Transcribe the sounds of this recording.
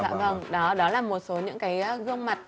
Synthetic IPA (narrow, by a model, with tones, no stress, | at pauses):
a̰ː˧˨və˧˩ŋɗɔ˨˦ɗɔ˨˦laː˨˩mo˨˩t̚so˨˦ɲɨ̰˧˥ŋkaː˨˦jʔaː˨˦ɣɨ˧əŋma˨˩t̚